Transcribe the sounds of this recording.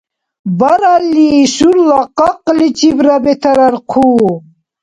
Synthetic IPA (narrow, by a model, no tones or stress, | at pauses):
bɐɾalːisuɾlaqɑqlit͡ɕibɾabet̪ʰɐɾɐɾqʰuː